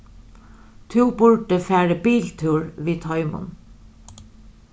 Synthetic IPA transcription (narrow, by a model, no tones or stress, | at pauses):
t̪ʰʉːbʊɹɖəfæːɹəbiːlt̪ʰʉːɹʋiːt̪hœʏmʊ̰n